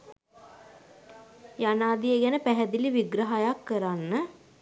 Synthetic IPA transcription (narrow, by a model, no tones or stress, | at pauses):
janaːd̪ijəɡænəpæɦɛd̪iliʋiɡɾəɦajakːəɾanːə